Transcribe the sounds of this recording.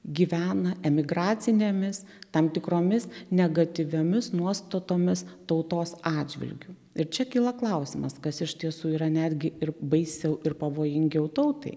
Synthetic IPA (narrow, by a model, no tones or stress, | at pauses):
ɡʲiʋʲæːnɐɛmʲɪɡɾɑːt̪t͡s̪ʲɪnʲeːmʲɪst̪ɐmt̪ʲɪkɾoːmʲɪsnʲɛɡɐt̪ʲɪʋʲoːmʲɪsnuɔst̪ot̪oːmʲɪst̪ɐʊt̪oːsɑːdd͡ʒʲʋʲɪ̰lʲɡʲʊ | ɪɾt͡ʃʲɛkʲiːlˠɐklˠɐʊsʲɪmɐskɐsɪʃʲt̪ʲiɛsuːiːɾɐnʲæːd̪ʲɡʲɪʔɪrbɐɪsʲɛʊʔɪrpɐʋoːjɪŋʲɡʲɛʊt̪ɐʊt̪ɐ̰ɪ